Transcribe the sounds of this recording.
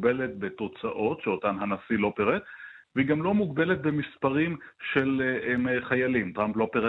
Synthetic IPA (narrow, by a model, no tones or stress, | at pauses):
belet̪̚bet̪o̞t͡saʔo̞tʃeotanɦanasilo̞peʁet̪ | veiɡamlo̞muɡbe̞let̪̚be̞mispaʁimʃe̞lemeχajalimtʁamplo̞peʁe